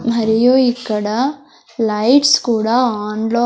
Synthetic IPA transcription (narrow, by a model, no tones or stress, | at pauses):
mɐɾijuikːɐɽa | lɐjʈskuːɽaaːnlo